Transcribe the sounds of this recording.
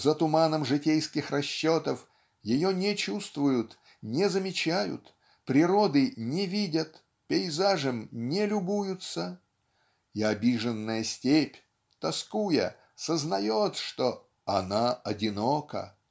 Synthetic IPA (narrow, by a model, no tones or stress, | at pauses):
zət̪ʊmanəmʐɨtʲejskʲɪxrɐɕːot̪əf | jɪjonʲɪt͡ɕust̪vʊjʊt̪ | nʲɪzəmʲɪt͡ɕæjʊ̰t̪ | pɾʲɪɾod̪ɨnʲɪvʲidʲət̪ | pʲɪɪzaʐəmnʲɪlʲʊbujʊt̪sə | ɪɐbʲiʐɨnːəjəsʲtʲepʲ | t̪ɐskujə̰ | səznɐjot̪ʂt̪o | ɐnaɐdʲɪnokə̰